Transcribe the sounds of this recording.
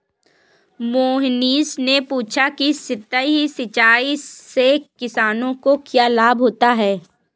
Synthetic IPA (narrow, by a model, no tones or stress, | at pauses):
moːɦniːsnepuːt͡ʃʰakisɪt̪aiisɪt͡ʃaːisekɪsaːnõkokjaːlaːbʱɦoːt̪aɦɛː